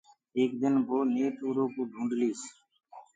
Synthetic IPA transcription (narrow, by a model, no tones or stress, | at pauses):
eːkd̪ɪnbʱoːneːt̪uːɾõːkuːɖ̪ʱũːɳɖliːs